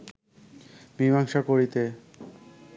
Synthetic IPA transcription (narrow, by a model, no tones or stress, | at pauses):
bibaŋʃakoɾit̪e